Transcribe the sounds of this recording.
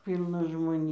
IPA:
ˈpʲiːlˠnɐ ʒmoːˈnʲeː

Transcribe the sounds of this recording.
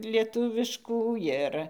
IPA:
lʲiɛˈtʊʋʲɪʃkuː ˈjɪr

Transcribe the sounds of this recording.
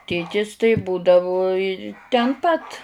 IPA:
ˈtʲeːtʲɪs tɐɪ buːdɐʋʊ ɪ tʲɛn ˈpɐt

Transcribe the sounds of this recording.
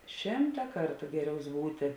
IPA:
ˈʃʲɪmtɐ ˈkɐrtʊ ˈɡʲæːˌrʲɛʊs ˈbuːtʲɪ

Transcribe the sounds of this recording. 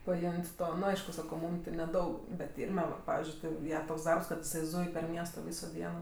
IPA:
pɐˈɪmʲtʲ ˈtoː nʊ ˈɐɪʃkʊ ˈsɑːkoː ˈmuːm tʲɪ nʲɛˈdɐʊk bʲɛt ˈɪrʲmʲɛ ˈʋɐ ˈpɑːʋʲɪzʲd͡ʒʲʊɪ ˈtʲɪ ˈjɛ toːks ˈdɐrps kɐt ɪˈsɐɪ ˈzuːj pʲɛr ˈmʲiɛstoː ˈʋʲiːsoː ˈdʲiɛnoː

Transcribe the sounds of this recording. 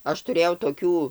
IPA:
ˈɐʃ tʊˈrʲeːjɛʊ toːˈkʲuː

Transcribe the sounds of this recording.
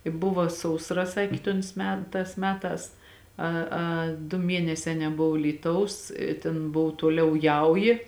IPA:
ɪ ˈbʊʋɐ sɐʊsˈrɐ ˈsɑːkʲeː toːns ˈmʲɛ ˈtɑːs ˈmʲæːˌtɑːs ˈɐ ɐ dʊ ˈmʲiɛnʲɛsʲɛː nʲɛˈboːw ˈlʲiːˌtɐʊs ɪ tʲeːn ˈboːw ˈtuɔˌlʲɛʊ ˈjɛʊjɪ

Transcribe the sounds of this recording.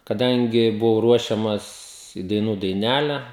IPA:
kɐˈdɐŋʲɡʲɪ bʊˈʋɐʊ ˈruɔʃʲɛmɐs iː dɐɪˈnuː dɐɪˈnʲælʲɛ

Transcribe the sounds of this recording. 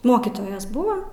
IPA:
ˈmoːkʲiːtoːjɛs ˈbʊʋoː

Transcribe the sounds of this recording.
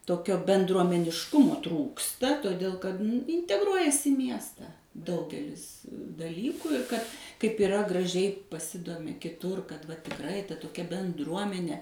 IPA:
toːˈkʲoː bʲɛndruɔmʲɛnʲɪʃˈkʊmoː ˈtruːkstɐ toːˈdʲeːlˠ kɐt ɪnʲtʲɛˈɡruɔjɛs ɪ ˈmʲiɛstɐ ˈdɐʊɡʲɛlʲɪs dɐˈlʲiːkʊ ɪr kɐt kɐɪp ɪˈrɐ ɡrɐˈʒʲɛɪ pɐˈsʲɪdoːmʲɪ kʲɪˈtʊr kɐt ʋɐ tʲɪkˈrɐɪ tɐ toːˈkʲɛ bʲɛnˈdruɔmʲɛnʲɛ

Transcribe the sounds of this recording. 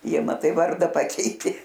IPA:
ˈjiɛ mɐˈtɐɪ ˈʋɐrdɐ ˈpɑːkʲɛɪtʲeː

